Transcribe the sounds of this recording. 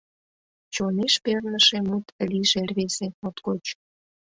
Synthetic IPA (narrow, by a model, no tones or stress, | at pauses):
t͡ɕoneʃpernəʃemut̪lʲiʒerʲβeseot̪kot͡ɕ